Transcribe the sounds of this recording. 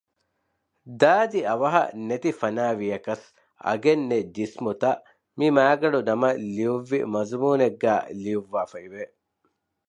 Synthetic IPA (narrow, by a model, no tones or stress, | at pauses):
d̪aːd̪iɐʋɐɦɐ̰net̪ifɐnaːʋijɐkɐs | ɐ̰ɡenːed͡ʒismut̪ɐʔ | mimæːɡɐɖunɐmɐlijuʋːḭmɐzmuːneɡːæːlijuʋːaːfɐiʋe